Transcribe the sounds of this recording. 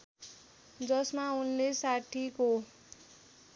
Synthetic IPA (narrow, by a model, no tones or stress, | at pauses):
d͡zʌsmaunlesaʈʰiko